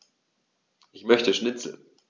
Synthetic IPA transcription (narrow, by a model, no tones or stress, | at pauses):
ʔɪçmœçtəʃnɪt͡sl̩